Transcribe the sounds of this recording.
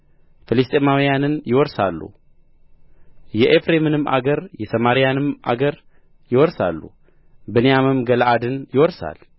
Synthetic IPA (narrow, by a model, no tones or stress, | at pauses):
fɨlɨst̪ʼemawijanɨnjɪwɔɾsalːṵ | jɛʔefɾemɨnɨmʔa̰ɡəɾjɛsəmaɾijanɨmʔa̰ɡəɾ | jɪwɔɾsa̰lːṵ | bɨnejamɨmɡəlʔad̪ɨnjɪwɔɾsa̰l